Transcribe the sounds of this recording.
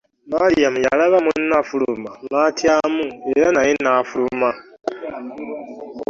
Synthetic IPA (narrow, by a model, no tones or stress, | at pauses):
malijamujalaβamunnːafulumaŋatʰjaːmue̞ɾanajenafuluma